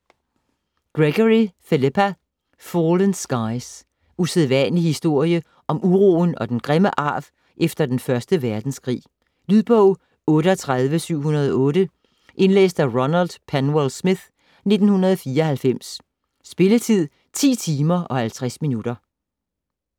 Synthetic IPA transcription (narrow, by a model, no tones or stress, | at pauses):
ɡ̥ʁeɡ̥ɒʁifelipʰæ | fɔːlənsɡ̥ɑ̈ɪs | useðˠʋænəlihisd̥o̝ɐ̰jə | ʔɒ̽mʔuʁo̰ːn̩ɒ̽d̥enɡ̥ʁeməʔɑ̈ːʋ | ʔefd̥ɐd̥enfɶɐsd̥əʋæɐd̥n̩skʰʁḭː | lyðˠb̥ɔʊ̰ | ɔ̽ːɾəɒt͡sʰʁaðˠʋəsyʊ̰hunɐð̞ˠɒɔ̽ːɾə | ʔe̝nlḛːsd̥æʁɔnæld̥pʰænwelsmið̥ | ne̝d̥n̩hunɐðˠfiːɐɒhælfem̰sː | b̥e̝lət͡sʰið̰ˠ | t͡sʰḭːt͡sʰiːmɐʔɒ̽hælt͡sʰʁasminud̥ɐ